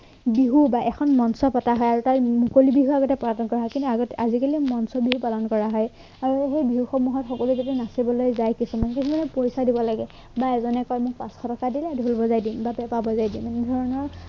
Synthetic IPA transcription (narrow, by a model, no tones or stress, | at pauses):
biɦubaʔɛkʰɔnmɔnsɔpataɦɔjaɹutaɹmukolibiɦuaɡɔtɛpɔatɔnkɔɹaɦɔkintuaɡɔtazikalimɔnsɔbiɦupalɔnkɔɹaɦɔj | aɹuxejbiɦuxɔmuɦɔtxɔkɔluzetinasibɔlojzajkisumankisumanɛpojsadibɔlaɡɛ | baɛzɔnɛkɔjmʊk̚pãsxʰɔtɔkadilɛdʱulbɔzajdimbapɛpabɔzajdimɛnɛdʱɔɹɔnɔɹ